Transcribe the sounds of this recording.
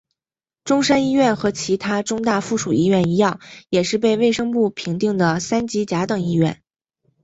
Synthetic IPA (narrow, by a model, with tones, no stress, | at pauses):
ʈ͡ʂʊ˥ŋʂa˥ni˥ɥɛ˥˩nxɤ˧˥t͡ɕʰi˧˥t̪ʰa˥ʈ͡ʂʊ˥ŋt̪a˥˧fu˥˩ʂu˨˩i˥˧ɥɛ˥˩ni˧˥jɑ˥˩ŋjɛ˨˩ʂɻ̩˥˧p̬e˥˧ɪwe˥˩ɪʂɤ˥ŋpu˥˩pʰi˧˥ŋt̪i˥˩ŋd̪ə˩sa˥nt͡ɕi˧˥t͡ɕja˧˥t̪ɤ˨˩ŋi˥ɥɛ̰˥˩n